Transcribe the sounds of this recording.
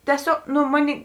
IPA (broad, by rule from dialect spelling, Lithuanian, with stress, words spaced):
tʲiɛˈsʲoːk ˈnʊ ˈmoːˌnʲeːɪ